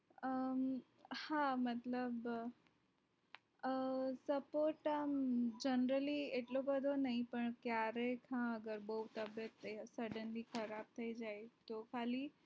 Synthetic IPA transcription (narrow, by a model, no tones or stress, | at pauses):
ə | hamət̪ləb | səpoɾʈamd͡ʒənɾəlieʈlobəd̪ʱonaĩpəɳkjaɾekʰãəɡəɾbəut̪əbjət̪ːesəɖənlikʰəɾab̚t̪ʰəid͡ʒaet̪okʰali